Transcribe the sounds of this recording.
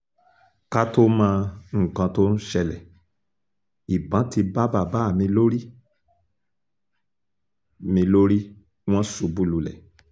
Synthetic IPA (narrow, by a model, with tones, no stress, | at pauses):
ka˦to˦mã˧ŋ̩˨kã˧to˦n̩˦ʃɛ˧lɛ˨ | i˨bã˨˦ti˧ba˦ba˦˨ba˦˨mĩ˧lo˦ɾi˦ | mĩ˧lo˦ɾi˦ | w̃ɔ̃˦su˨bu˦lu˧lɛ̰˨